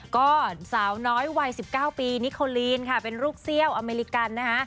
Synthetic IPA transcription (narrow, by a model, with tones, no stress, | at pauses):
kɔː˥˩saː˩˦wnɔː˦˥jwa˧jsi˨˩p̚kaː˥˩wpiː˧ni˦˥kʰːoː˧liː˧nkʰa˥˩pe˧nɾuː˥˩k̚si˥˩əwʔa˧meː˧ɾi˧˥ka˧nːa˦˥kʰa˦˥ʔ